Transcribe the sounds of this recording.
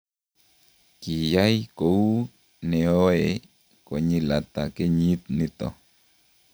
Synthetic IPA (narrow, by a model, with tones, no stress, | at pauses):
ki˨ja˦jko˨u˦ | ne˨o˦e˨ | ko˨ɲi˦la˨t̪a˨ke˦ɲi˦t̪ni˦t̪o̰˨